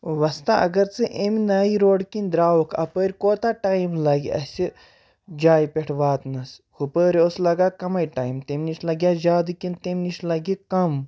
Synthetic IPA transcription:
ʋɐst̪aɐ̰ɡɐɾt͡sɨʔemʲnaːiɾoːɖkind̪ɾaːwokʰɐ̰pəːɾʲkoːt̪aːʈaːjmlɐɡḭɐ̰sʲi | d͡ʒaːjpʲeʈʰʋaːt̪nɐshupəːɾioslɐɡaːkɐmɐjʈaːimt̪emniʃʰlɐɡjaːzaːd̪ɨkint̪emniʃlɐɡikɐm

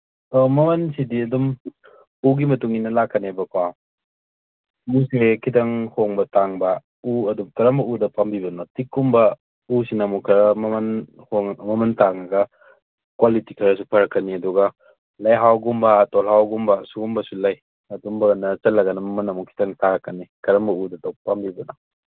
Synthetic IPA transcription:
mɐmɐnsidiɐdum | uɡimɐtuŋinɐlakʰːɐnebɐkwa | usekʰitɐŋhoŋbɐtaŋbɐ | uɐdumkɐɾɐmbɐudɐpambibɐnɔtikːumbɐ | usinɐmukʰɐɾɐmɐmɐn | hoŋmɐmɐntaŋɐɡɐ | kwalitikʰɐɾɐs̬upʰɐɾɐkːɐniɐduɡɐ | lɐjɦawɡumbɐtɔlhawɡumbɐsuɡumbɐsulɐj | ɐdumbɐɐnɐt͡ʃɐlːɐɡɐnɐmɐmɐnɐmukʰi̥tɐŋtaɾɐkːɐnikɐɾɐmbɐudɐtɔwpambibɐnɔ

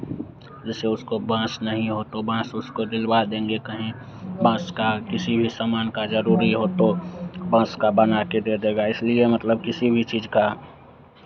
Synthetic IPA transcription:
d͡ʒɛːseʊskobãːsnəɦĩɦot̪obãːsʊskod̪ɪlbad̪ẽːŋɡekəɦẽ | bãːskakɪsibʱisamaːnkad͡ʒəɾuːɾiɦot̪obãːskabənaked̪ed̪eːɡaɪsliemət̪ləb̚kɪsibʱit͡ʃiːd͡ʒka

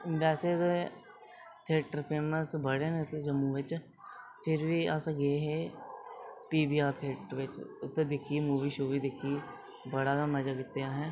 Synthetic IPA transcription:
ʋɛːseːd̪e | t̪ʰeːʈəɾpʰeːməsbəɽeːnet̪ed͡ʒəmːũːʋɪt͡ʃ | pʰɪɾʋiːəsaɡeːɦeː | piːbiːaːɾt̪ʰeːʈɾʋɪt͡ʃʊt̪ːeːd̪ɪkʰːimuːʋiːʃoːʋiːd̪ɪkʰːiː | bəɽaːɡaːməd͡ʒaːkɪt̪ːeaːɦɛ̃ː

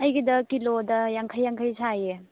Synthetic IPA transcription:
ɐjɡidɐkilodɐjaŋkʰajːaŋkʰəjsaje

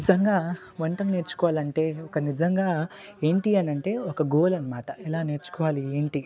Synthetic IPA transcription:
id͡ʒɐŋɡaː | ʋɐɳʈɐmne̞ːɾt͡ʃu̥kɔʋaːlɐɳʈe̞ːɔkɐnid͡ʒɐŋɡaːe̞ːɳʈiɐnɐɳʈe̞ːɔkɐɡoːlɐnɐmaːʈɐʔɛlaːne̞ːɾt͡ʃu̥kɔʋaːlieːɳʈi

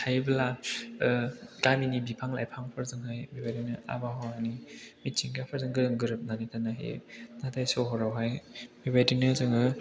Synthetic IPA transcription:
tʰajbla | ɡaminibipʰaŋla̰jpʰaŋpʰɯɾzɯŋɦajbibajdinɯa̰baɦɔanimitt͡ʃiŋɡapʰɯɾzɯŋɡɯɾɯŋɡɯɾɯp̚nanitanaɦḭnatʰajsɔwɦɔɾawɦajbibajdinɯzɯŋɯ

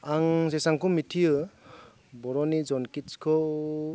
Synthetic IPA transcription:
aŋzesaŋkumitʰijɯ | bɔɾɔnid͡ʒɔnkit͡ʃkʰɔ

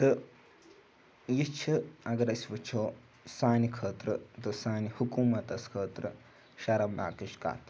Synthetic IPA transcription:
t̪ɨ | jit͡ʃʰiɐɡɐɾɐsʲʋɨt͡ʃʰoː | saːnikʰəːt̪ɾɨt̪ɨsaːnihukuːmɐt̪ɐskʰəːt̪ɾɨ | ʃɐɾɐmna̰ːkɨʃka̰ːt̪

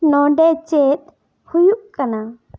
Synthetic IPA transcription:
nɔɖɛt͡ʃet̪̚ | hujuʔkana

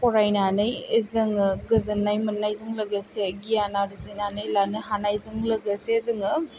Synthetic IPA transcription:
pɔɾajnanɯjezɐŋɯɡɯzɐnːajmɐnːajzɯŋlɐɡəseɡijanaɾizinanɯjlanɯɦanajzɯŋlɐɡɐsezɐŋɯ

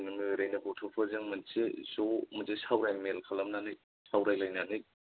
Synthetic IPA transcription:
nɯmɯɾajnɐbɔtʰopʰɯzɯŋmɯnsezomɯzesawɾajmelkʰalamnanɯj | sawɾajlajnanɯj

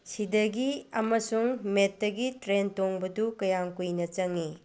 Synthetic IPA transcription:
sidɐɡiɐmɐsuŋmetːɐɡitɾentoŋbɐdukɐjaŋkujnɐt͡ʃɐŋi

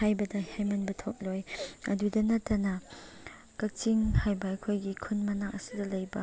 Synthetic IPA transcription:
hajbɐdahajmɐnbɐtʰɔk̚lɔjʔɐdudɐnɐtːɐnɐ | kɐt͡ʃiŋhajbajkʰojɡikʰunmɐnaŋʔɐsidɐlɐjbɐ

